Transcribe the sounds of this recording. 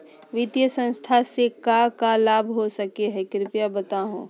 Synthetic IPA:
ʋɪt̪jəsə̃nst̪ʰasekakalaːbʱɦosɐkeɦɛkɾɪpjabət̪aɦṵ̃ː

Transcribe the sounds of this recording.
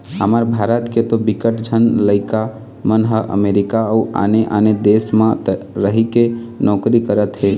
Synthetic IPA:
ɦəməɾbʱaɾət̪ket̪obikəʈd͡ʒʱənləɪka | mənɦəʔə̰meɾikaəua̰neʔa̰ned̪esmãɾəɦikenɔkɾikəɾət̪ɦe

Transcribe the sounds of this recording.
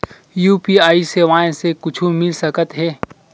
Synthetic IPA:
juːpiːaːiseʋãːẽsekʊt͡ʃʰumɪlsɐkət̪ɦɛː

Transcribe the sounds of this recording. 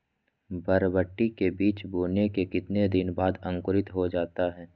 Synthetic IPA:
bəɾbəʈːikebiːt͡ʃbuːnekekɪt̪ned̪ɪnbaːd̪ə̃ŋkʊɾɪt̪ɦod͡ʒaːt̪aɦɛː

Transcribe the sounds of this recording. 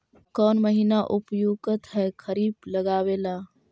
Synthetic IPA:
kɔːnməɦinaʔʊpjoːɡət̪ɦɛːkʰəɾiːbləɡaːweːlaː

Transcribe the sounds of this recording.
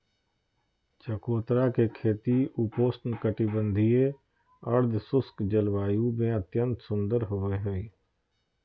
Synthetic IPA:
t͡ʃəkoːt̪ɾakekʰeːt̪iupoːsʈnkəʈibə̃nd̪ʱie | əɾd̪ʱsʊskd͡ʒəlwaːjumẽət̪jə̃nt̪sʊ̃nd̪əɾɦoːeɦoiː

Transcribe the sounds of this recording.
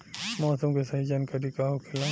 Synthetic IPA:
mɔːsəmkesɐɦid͡ʒaːnkɐɾikaɦokʰɪla

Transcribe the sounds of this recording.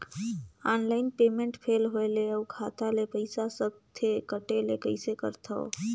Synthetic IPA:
anlaɪnpemeɳʈpʰelɦoeleəukʰat̪alepəɪsasəb̚t̪ʰekəʈelekəɪsekə̰ɾt̪ʰə̰

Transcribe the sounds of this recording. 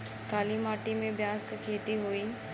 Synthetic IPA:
kaːlimaːʈimẽbjaːskkʰeːt̪iɦoiː

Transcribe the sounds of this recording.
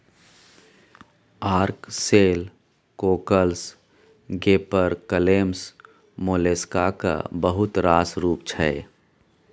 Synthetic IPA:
aːɾkseːl | koːkəls | ɡeːpəɾkəleːms | moːleːskaka̰bəɦʊt̪ɾaːsɾuːp̚t͡ʃʰɛe

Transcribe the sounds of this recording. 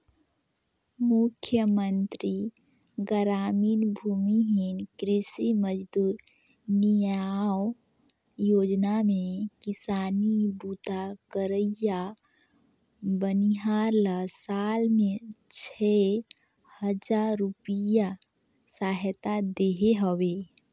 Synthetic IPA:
mʊkʰjəmənt̪ɾi | ɡəɾaːmiːnbʱumiɦinkɾɪsiməd͡ʒd̪uːɾ | nijaw | joːd͡ʒnamẽkɪsaːnibut̪akəɾəja | bəniɦaɾlasaːlmẽt͡ʃʰɛ | həd͡ʒaɾupija | saːɦət̪ad̪eɦeɦəweː

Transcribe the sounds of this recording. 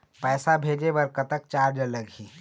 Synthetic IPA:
pɛːsabʱeːd͡ʒebəɾkət̪ək̚t͡ʃaːɾd͡ʒələɡʱiː

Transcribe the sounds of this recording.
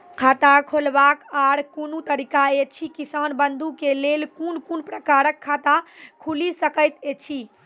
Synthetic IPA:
kʰat̪akʰolbakaɾkonut̪əɾikaet͡ʃʰikisanbənd̪ʱukelelkunkunpɾəkaɾəkʰːat̪akʰulisəkəjt̪et͡ʃʰi

